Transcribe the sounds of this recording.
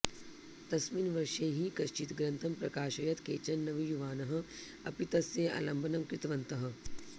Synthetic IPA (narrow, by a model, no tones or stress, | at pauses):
t̪ɐsminʋɐɾʃeːɦikɐʃt͡ʃit̪ɡɾɐ̃nt̪ʰɐmpɾɐkaːʃɐjɐt̪keːt͡ʃɐnːɐʋijuʋaːnɐɦɐ̆ | ɐ̰pit̪ɐsjeːa̰lɐmbʱɐnɐmkɾɪt̪ʋɐnt̪ɐɦɐ̆